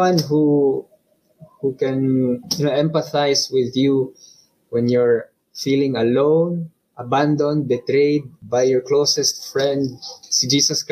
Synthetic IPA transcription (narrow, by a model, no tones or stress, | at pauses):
ãnɦu | hukɛ̃njnoʔɛ̃mpaθajswɪðju | wɛ̃njɔɹ | filɪ̃ŋɐlõwn | ʔabãnd̪ɔ̃nd̪̚bɛt̪ɾejd̪̚bajːɔɹklowsɛst̪fɹɛ̃nd̪̚sid͡ʒiːsɔsk